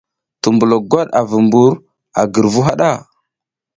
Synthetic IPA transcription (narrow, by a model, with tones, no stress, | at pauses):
tu˨mbu˨lo˨ɡʷa˦ɗa˨və˨mbu˦ɾ | a˨ɡə˨ɾvu˦ɦa˦ɗa˦˨